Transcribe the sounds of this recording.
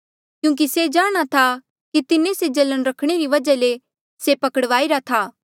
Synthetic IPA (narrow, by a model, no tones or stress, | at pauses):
kjũːk̬ised͡ʒaːɽ̃at̪ʰa | kit̪ɪnẽsed͡ʒɐlənɾɐkʰɽ̃eɾiʋɐd͡ʒale | sepɐkəɽʋaːiɾat̪ʰaː